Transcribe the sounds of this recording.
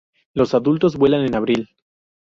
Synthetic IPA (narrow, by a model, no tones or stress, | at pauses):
lo̞saðult̪o̞zbwe̞lanenaβɾil